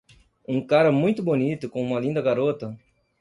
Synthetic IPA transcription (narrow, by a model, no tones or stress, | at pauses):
ũkaɾɐmũj̃t̪ʊbonit̪ʊkõũmɐlĩnd̪ɐɡaɾot̪ɐ